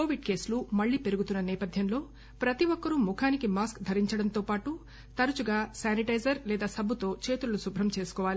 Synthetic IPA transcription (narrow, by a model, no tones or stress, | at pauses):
koːʋiɖke̞ːslumɐɭːiːpe̞ɾuɡut̪unːɐnɛːpɐd̪ʱjɐmlo̞ː | pɾɐt̪iʋɔkːɐɾumukʰaːnikimaːskd̪ʱɐɾiɲt͡ʃɐɽɐnt̪oːpaːʈu | t̪ɐɾɐt͡ʃuɡaːsaːniʈɐjd͡ʒɐɾlɛːd̪aːsɐbut̪o̞ːt͡ʃe̞ːt̪ulɐlusubʱɾɐmt͡ʃe̞ːsu̥kɔːʋaːli